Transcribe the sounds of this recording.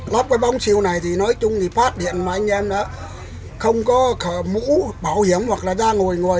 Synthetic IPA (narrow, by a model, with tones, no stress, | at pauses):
lɔ˦˥p̚kɔː˨˦jɓa˧wŋ͡msi˧˩əwna˨˩jt̪ʰi˨˩nɔ˨˦jt͡ɕʊ˧ŋ͡mt̪ʰi˨˩faː˦˥t̚ɗḭ˧˨ənmaː˨˩ʔa˧ŋ̟ʔɛ˧mɗɔː˨˦ | xə˧wŋ͡mkɔ˨˦kə˧˩mṵ˧˥ɓaː˨˩whi˨˧˩əmhwa˨˩k̚laː˨˩zaː˧ŋo˨˩əjŋo˨˩əj